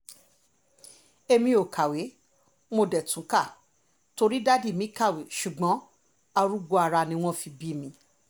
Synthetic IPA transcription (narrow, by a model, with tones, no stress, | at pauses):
e˧mĩ˧o˨kʰa˨we˨˦ | mo˧dɛ˨tũ˨˦ka˦˨ | to˧ɾi˦da˦di˦˨mĩ˨˦ka˦˨we˨ʃu˨ɡ͡bɔ̃˨˦ | a˧ɾu˦ɡ͡bo˧˦a˧ɾa˧nĩ˧w̃ɔ̃˦˨fi˧bi˦mĩ˧˦